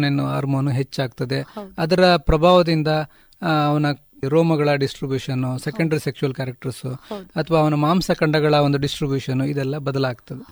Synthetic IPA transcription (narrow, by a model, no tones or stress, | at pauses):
nenua̰ːɾmoːnuɦe̞t͡ʃːaːɡt̪ɐd̪e̞ɐd̪ɐɾɐpɾɐbʱaːʋɐd̪ind̪ɐː | ʋɐnɐ | ɾoːmɐɡɐɭɐɖisʈɾibjuːʃɐnːusekɐɳɖɐɾisekʂuʋɐlkaːɾɐk̚ʈɐɾsuɐt̪ʰɐʋaːɐʋɐnɐmaːmsɐkɐɳɖɐɡɐɭɐond̪uɖisʈɾibjuːʂɐnuid̪ɛlːɐbɐd̪ɐlaːɡt̪ɐd̪e